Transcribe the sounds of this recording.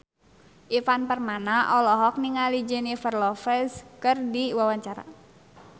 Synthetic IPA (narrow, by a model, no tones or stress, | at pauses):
ʔifanpərmanaʔɔlɔɦɔk̚niŋalid͡ʒənifərlɔfɛskɨrdiwawaɲt͡ʃaɾa̰